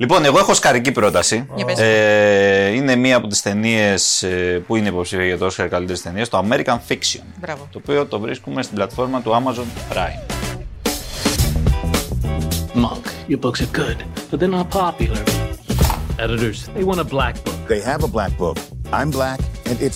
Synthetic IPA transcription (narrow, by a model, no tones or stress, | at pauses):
lipo̞ne̞ɣo̞exo̞skɐɾicipɾo̞t̪ɐsi | ine̞miɐːpo̞t̪i̥st̪e̞nie̞spuineipo̞psifiɐʝɐt̪osçeɾkɐlit̪e̞ɾist̪e̞niest̪o̞ɐme̞ɾikɐnfiksionbavt̪o̞ːpio̞t̪o̞vɾiskume̞st̪iblɐt̪fo̞ɾmɐt̪uɐmɐzo̞npɾa̰im | mʌ̰̃ŋkjə˞bʊksə˞ɡʊd̥b̥ʌt̪̚ðə˞nət̚pʰɑpjl̩ˠə˞ | ɛɾɨɾə˞zðeɪwɑ̃ñəblæk̚b̥ʊkðeɪɨvəblæk̚b̥ʊkʔã̰ɪ̃mblækɨ̃nɪt